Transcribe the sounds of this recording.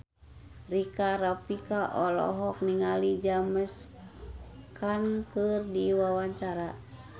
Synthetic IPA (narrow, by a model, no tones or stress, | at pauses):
rikaɾapikaʔɔlɔ̰ɦɔk̚niŋalid͡ʒaməs | kankɨrdiwawaɲt͡ʃaɾa